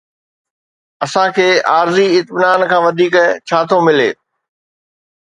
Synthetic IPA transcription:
ɐsãkʰeːaːɾziɪt̪mɪnaːnkʰãːʋɐd̪ʱiːkt͡ɕʰaːt̪ʰomɪleː

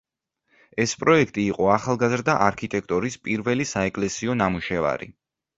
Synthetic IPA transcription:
ɛspʼɾɔɛkʰt̪ʼiːqʼɔaχalˠɡazɾd̪aʔaɾkʰit̪ʼɛk̚ʰt̪ʼɔɾispʼiɾvɛlisaɛkʼlɛsiɔnamuʃɛva̰ɾḭ

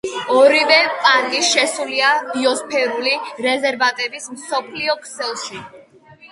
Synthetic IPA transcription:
ɔɾivɛpʼaɾkʼiʃɛsuliabiɔspʰɛɾuliɾɛzɛɾvat̪ʼɛbismsɔpʰliɔkʼʰsɛlˠʃi

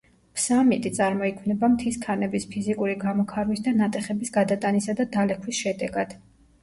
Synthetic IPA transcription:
pʰsamit̪ʼit̪sʼaɾmɔikʰmnɛbamt̪ʰiskʰanɛbispʰizikʼuɾiɡamɔkʰaɾwisd̪anat̪ʼɛχɛbisɡad̪at̪ʼanisad̪ad̪alɛkʰwisʃɛd̪ɛɡad̪̥

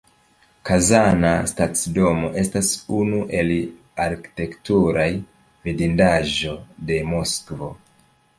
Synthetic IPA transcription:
kazanastat͡sido̞mo̞ʔe̞stasunuʔe̞l | aɾki̥te̞ktuɾaj | vidindaʒo̞de̞moskvo̞

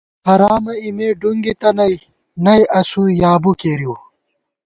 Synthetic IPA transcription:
ɐɾaːmɐimeːɖuŋɡit̪ɐnɐj | nɐjʔɐsujaːbukeːɾjiw

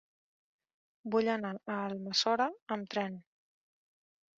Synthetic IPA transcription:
buʎənaəːlˠməsɔɾəəmt̪ɾɛn

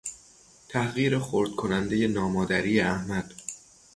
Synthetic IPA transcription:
t̪ʰæhɣiːɾexoɾd̪̥̚kʰo̞nænd̪e̞je̞nɒːmɒːd̪æɾiːeæhmæd̪̥

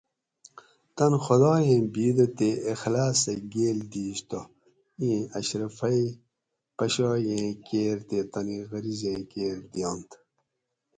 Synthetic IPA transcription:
t̪ɐnxod̪ɑːjẽːbiːd̪ɐt̪eːxlaːsɐɡeːld̪iːɕt̪o | ĩːɐɕɾɐfɐi | pɐɕɑːjẽːkeːɾt̪et̪ɐniɣɐɾizẽːkeːɾd̪ijõːnt̪

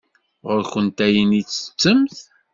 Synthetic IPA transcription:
ʁʊɾçənt̪æjənit͡sːə̥t͡sːəmθ

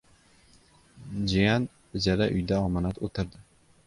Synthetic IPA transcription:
d͡ʒijan | ɪd͡ʒaɾaʔʊ̰jd̪aɒmanat̪ot̪ʰɪɾd̪ɪ

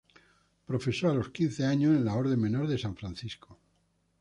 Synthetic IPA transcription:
pɾo̞fe̞soalo̞skinθe̞aɲosẽnlao̞ɾðe̞me̞no̞ɾðe̞saɱfɾanθisko̥

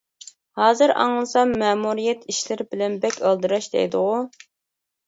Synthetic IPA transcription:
hɑːzɨɾɑ̰ŋlˠɨsɑmɛːmuɾijɛt̪ʰiʃlɪɾɪbɪlɛnbɛkʲʰəlˠd̪ɨɾɑʃd̪ɛ̰jd̪ɨʁʊ

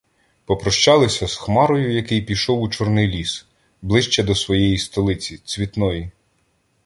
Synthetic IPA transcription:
pɔpɾɔʃt͡ʃɑlˠɪsʲɐzxmɑɾɔjʊjɐkɪjpʲiʃɔwut͡ʃɔrnɪjlʲis | blˠɪʃt͡ʃɛd̪ɔsʋɔjɛjist̪ɔlˠɪt͡sʲit͡sʲʋʲit̪nɔji

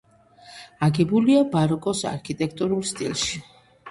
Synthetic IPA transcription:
aɡɛbuliabaɾɔkʼɔsa̰ɾkʰit̪ʼɛkʰt̪ʼuɾulˠst̪ʼḭlˠʃi

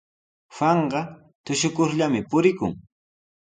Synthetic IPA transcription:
wɑɴɢɑ | t̪ʊʃʊkʊɾʎamɪpʊɾɪkʊ̰ŋ

